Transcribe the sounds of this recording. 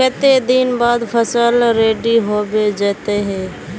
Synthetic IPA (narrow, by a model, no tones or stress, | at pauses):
kɛt̪ed̪inbaːd̪pʰəsəlɾeːɖiɦoːbed͡ʒeːt̪eɦɛ̃ː